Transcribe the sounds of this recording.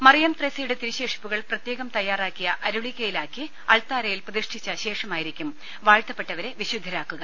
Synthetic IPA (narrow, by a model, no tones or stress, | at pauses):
mɐrijɐmt̪resijuɽet̪iɾiɕe̞ːʂi̥pːuɣɐɭprɐt̪jeːɣɐmt̪ɐjːaːraːkːijɐʔɐɾuɭiɣʲːɐjilaːkːi | ɐɭt̪aːɾɐjilprɐðiʂʈʰit͡ɕːɐɕe̞ːʂɐmaːjiɾikʲːum | ʋaːɻt̪ːɐpːe̞ʈːɐʋɐɾe̞ʋiɕud̪ʱːɐɾaːkːuɣɐ